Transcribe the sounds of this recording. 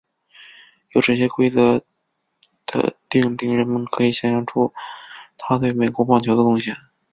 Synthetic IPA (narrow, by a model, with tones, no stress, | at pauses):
jo˨˩ʊʈ͡ʂɤ˥˩ɕjɛ˥kwe˥ɪt͡sɤ˧˥ | d̪̥ə̰˧t̪i˥˧ŋt̪i˥˩ŋɻə˧˥nmə˨nkʰɤ˧˥i˨˩ɕjɑ˥ɕɑ˧˥ŋʈ͡ʂʰu˥t̪ʰa˥t̪we˥˩ɪme˨˩ɪkwɔ˧˥pɑ˥˩ŋt͡ɕʰjd̪ə˧kʊ˥˧ŋɕjɛ˥˩n